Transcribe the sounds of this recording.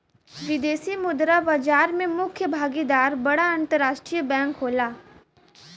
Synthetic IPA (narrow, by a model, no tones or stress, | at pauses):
ʋɪd̪eːsimʊd̪ɾabad͡ʒaːɾmẽmʊkʰjəbʱaːɡid̪aːɾbɐɽaɐ̃nt̪əɾaːʃʈɾijəbɛ̃ːŋkɦoːlaː